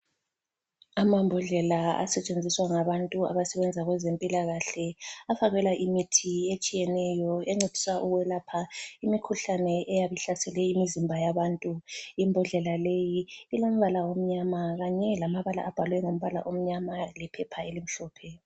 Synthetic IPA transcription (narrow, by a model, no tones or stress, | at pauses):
amambʱɔɮɛlaa̰sɛt͡ʃʼend͡zʱiswaŋaβantʼua̰βasɛβɛnd͡zʱaɣwɛzempʼilaɣaɬɛafaɣɛlaʔimitʰiet͡ʃʼijɛnɛjɔeŋ͡ǀed̥ʱi̥swaʔuɣwɛlapʰaimikʰuɬanɛʔɛjaβiɬasɛlɛimizimbʱajaβantʼuimbʱuɮɛlalejiːlom̩βalawom̩ɲamaɣaɲɛlamaβala̰ʔab̥ʱalwɛŋom̩βala̰ʔom̩ɲamalɛpʰɛpʰaelim̩ɬɔːpʰɛ